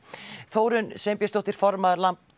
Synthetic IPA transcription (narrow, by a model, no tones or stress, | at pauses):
θoːwɾʏnsɛmpjɛst̪owt̪ɪɾ̥fɔɾmaðɾlamp